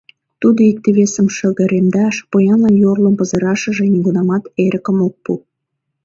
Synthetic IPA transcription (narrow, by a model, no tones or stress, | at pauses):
t̪ud̪oik̚t̪eβesəmʃə̆ɣə̆ɾemd̪ɑʃpojɑnlɑnjorləmpə̆zɤ̆ɾɑʃə̆ʒĕnʲiɣunɑmɑt̪eɾə̆kə̆mok̚pu